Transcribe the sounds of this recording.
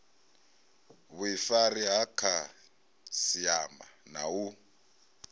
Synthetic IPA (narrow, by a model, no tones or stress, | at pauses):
βuifaɾiɦakʰa | siamba̰na̰u